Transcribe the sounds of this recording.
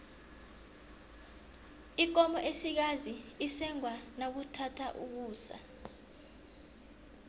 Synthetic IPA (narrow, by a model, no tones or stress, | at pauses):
ik̬ɔmɔʔesik̬aziisɛŋwanak̬utʰatʰaʔuk̬uːsa̰